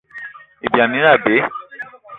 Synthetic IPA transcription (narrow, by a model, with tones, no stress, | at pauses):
e˨bi˨a˨nĩ˨˦a˦˨be˨˦